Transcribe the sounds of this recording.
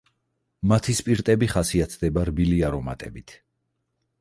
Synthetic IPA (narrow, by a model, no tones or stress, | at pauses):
mat̪ʰispʼiɾt̪ʼɛbiχasiat̪ʰd̪ɛbaɾbiliaɾɔma̰t̪ʼɛ̰bit̪ʰ